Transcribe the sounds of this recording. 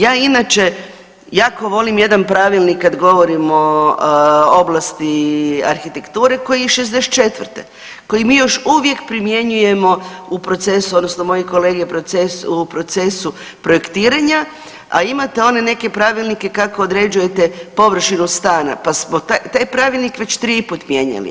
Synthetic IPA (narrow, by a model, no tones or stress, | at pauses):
jaːinat͡ʃe̞ | jako̞ʋo̞limje̞d̪anpɾaʋilˠnikːad̪ɡo̞ʋo̞ɾimo̞ | o̞blˠast̪ia̰ɾxit̪e̞kt̪uːɾe̞ko̞jiʃezd̪ese̥t̪̚t͡ʃe̞t̪ʋrt̪ḛ | ko̞jimiːjo̞ʃuʋje̞kpɾimje̞ɲuje̞mo̞upɾo̞t̪se̞suod̪nosno̞mo̞jeko̞leɡepɾoesupɾo̞t̪se̞su | pɾo̞jekt̪iːɾaɲa | a̰imat̪e̞o̞ne̞ne̞ke̞pɾaːʋilˠnike̞kakoːd̪ɾe̞d͡ʑuje̞t̪e̞po̞ʋr̩ʃinust̪aːna̰pasmot̪at̪ajpɾaʋilˠnikʋe̞t͡ɕt̪ɾiput̪mje̞ɲa̰lḭ